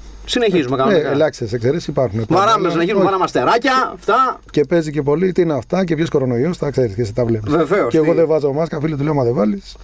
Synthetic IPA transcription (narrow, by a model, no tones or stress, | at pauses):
sineçizumekɐneelɐksesekseɾesisipɐɾxunepɐɾɐmes̬ineizumɐɾɐmɐst̪eɾɐcɐft̪ɐce̞pe̞zice̞po̞lit̪iineɐft̪ɐcepçesko̞ɾo̞no̞iosθɐkseɾiskesit̪ɐvlemveveoeːɣoðevɐzɐomɐskɐfilit̪uleomɐðevɐlis